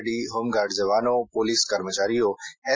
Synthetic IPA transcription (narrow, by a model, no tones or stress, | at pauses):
ɖiɦoːmɡaːɖzɐβaːnõpoliskɐɾmət͡ʃaːɾijõɛː